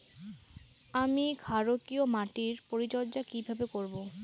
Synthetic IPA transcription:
amiɡʱaɾokiomaʈiɾpoɾid͡ʑɔɾd͡ʑakibʱabekoɾbo

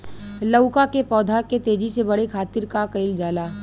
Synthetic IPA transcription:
ləʊkakepɔːd̪ʱaket̪eːd͡ʒisebɐɽekʰaːt̪ɪɾkakɐɪld͡ʒaːlaː

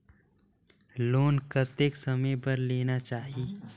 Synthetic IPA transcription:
loːnkət̪eksɐmẽbəɾleːnat͡ʃaːɦi

